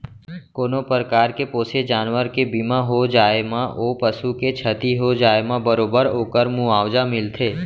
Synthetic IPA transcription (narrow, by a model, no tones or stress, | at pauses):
koːnopəɾkaːɾkepoːsed͡ʒaːnʋəɾkebɪmãɦod͡ʒaːemãʔopəsuket͡ʃʰət̪iɦod͡ʒaːemãbəɾoːbəɾoːkəɾmũaːʋd͡ʒamɪlt̪ʰeː